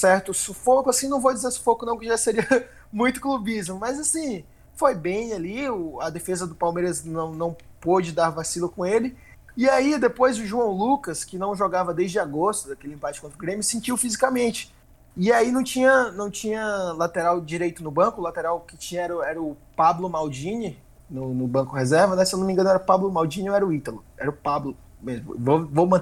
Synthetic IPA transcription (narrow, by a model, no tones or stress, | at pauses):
sɛɾt̪ʊsufokʊasĩnɐ̃w̃vowd͡ʒizeɾsʊ̥fokʊnɐ̃w̃kɪʒaseɾiɐ | mũj̃t̪ʊ̥klubizmʊmɐzasĩ | fojbẽj̃aliʊɐd̪efezɐd̪ʊpawmejɾɐznɐ̃w̃nɐ̃w̃pod͡ʒɪd̪aɾvasilʊkõelɪ | iaid̪epojzʊʒuɐ̃w̃lukɐskɪnɐ̃w̃ʒoɡavɐd̪ejzd͡ʒɪaɡost̪ʊd̪akelɪẽpat͡ʃɪkõt̪ɾʊɡɾẽmjʊsẽnt͡ʃiwfizikamẽnt͡ʃɪ̥ | ɪainɐ̃w̃t͡ʃĩɲɐnɐ̃w̃t͡ʃĩɲɐlat̪eɾawd͡ʒiɾejt̪ʊnʊbɐ̃kʊlat̪eɾawkɪt͡ʃĩɲɐɛɾɐɛɾɐʊpablʊmawd͡ʒĩnɪ | nʊnʊbɐ̃kʊhezɛɾvɐnɛsewnʊmĩŋɡɐ̃nʊɛɾʊpablʊmawd͡ʒĩnɪ̃ɛɾɐʊit̪ɐlʊɛ̰ɾɐʊpablʊ | mezmʊ̰vovowmɐ̃